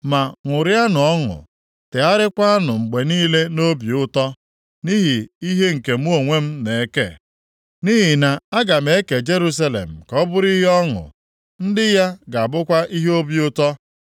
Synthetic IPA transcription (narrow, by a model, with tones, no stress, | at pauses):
ma˨ŋʷʊ˨ɾja˦nʊ˨ɔ˦ŋʊ̰˨ | te˨a˦ɾɪ˦kʷa˦a˦nʊ˨ŋ͡m̩˨ɡ͡be˨niː˦le˦no˦bi˨ʊ˦tɔ˦ | ni˦ɦi˨i˦ɦe˦ŋ̩˨ke˨m̩˦o˨ŋʷe˦m̩˦ne˨e˦kḛ˦˨ | ni˦ɦi˨na˨a˦ɡa˨me˨˦ke˨d͡ʒe˦ɾu˦s̬a˦lḛ˨m̩˨kɔ˦bʊ˦ɾi˦ɦe˦ɔ˦ŋʊ̰˨ | n̩˦dɪ˦ja˦ɡa˨bʊ˦kʷa˦ʔi˦ɦe˦o˦bjʊ˦tɔ˦